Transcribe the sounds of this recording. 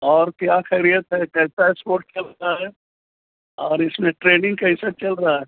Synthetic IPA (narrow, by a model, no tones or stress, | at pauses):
ɔːɾkjaːkʰɛɾijət̪ɦɛkɛɦɪsaespoːɾʈ̚kʰɐlt̪aɦɛː | ɔːɾɪsmẽʈɾeːnɪ̃ŋɡkɛɪsat͡ʃɐlɾaaɦɛ